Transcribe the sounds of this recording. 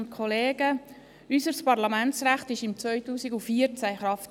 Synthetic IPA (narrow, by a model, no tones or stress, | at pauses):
nt̪̚kʰɔleːɡə | ysəɾspɑɾlɑmænt͡sɾæχtɪʃɪmt͡sʋœʏtuːsiɡufiəɾt͡sæχɾɑft